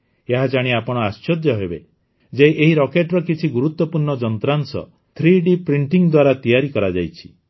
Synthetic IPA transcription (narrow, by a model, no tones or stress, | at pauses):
eɦad͡ʒaɽ̃iapɔɽ̃ɔast͡ʃɔd̪jɔɦebe | d͡ʒeʔeɦiɾɔkeʈɾɔkit͡ʃʰiɡuɾut̪wɔpuɾɳɔd͡ʒɔnt̪ɾansɔ̰ | t̪ʰɾiɖipɾiɳʈiŋd̪waɾat̪ijaɾikɔɾad͡ʒa̰jt͡ʃʰi̥